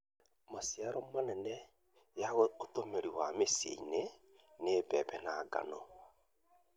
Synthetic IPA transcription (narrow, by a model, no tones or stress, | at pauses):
masijaɾomanɛnɛ | jaɣootomeɾiwamesḛine | neβɛβɛnaɡa̰no